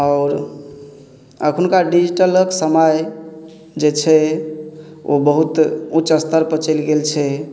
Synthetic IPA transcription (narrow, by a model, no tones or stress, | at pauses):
ɔʊɾ | əkʰunkaɖid͡ʒiʈələksəməj | d͡ʒet͡ʃʰɛ | o̰bəɦut̪uːt͡ʃəst̪əɾpət͡ʃəlɡelt͡ʃʰɛ